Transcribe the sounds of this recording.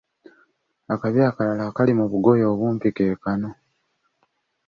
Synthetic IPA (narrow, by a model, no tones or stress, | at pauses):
akaβjaːkalalaːkalimuβuɡo̞jo̞ːβwuːmpikeːkano̞